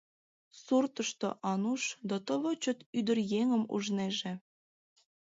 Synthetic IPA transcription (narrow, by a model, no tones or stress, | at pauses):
surt̪əʃt̪o̰ʔɑnuʃd̪ɑt̪ə̆βɤt͡ɕət̪yd̪ərjeŋə̆mṵʒneʒĕ